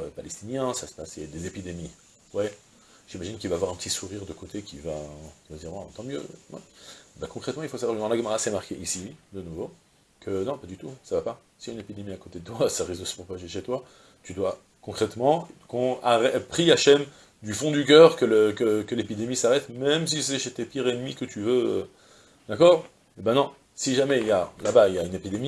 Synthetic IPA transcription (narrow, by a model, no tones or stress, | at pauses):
ø̰palɛst̪injɛ̃sasə̥pasɛd̪ezepid̪emi | wɛ | ʒ̥imaʒink̬ʲilvaːvwaʁɛ̃pə̥t̪isuʁiʁd̪əkot̪ʰekʲivakʲivad̪iʁwɛ̃t̪ɑ̃mjø̰wɛ̰̃bakɔ̃kχɛt̪mɑ̃ilfosavwaʁʒnɑ̃laɡəmaʁasɛmaʁkʲeʔisid̪ənuvo | kʰənɔ̃pad̪yt̪usavapa | siaynepid̪emiakot̪ed̪ət̪wasaʁezosə̥pχɔpaʒeʃet̪wa | t̪yd̪wa | kɔ̃kχɛt̪mɑ̃kɔ̃aʁɛpχiaʃɛm | d̪yfɔ̃d̪yk̬ʲœʁkələkəkəlepid̪emisaʁɛt̪mɛms̬isɛʃet̪epiʁenmikət̪ʰyvø | d̪akɔʁ | ebɛ̃nɔ̃ | siʒamɛiljalabailjaynepid̪emi